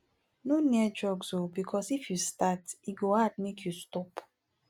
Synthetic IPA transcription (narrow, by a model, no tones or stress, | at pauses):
noniɛd͡ʒɔɡsobikʰɔsifjustatiɡoadmekʰjustɔp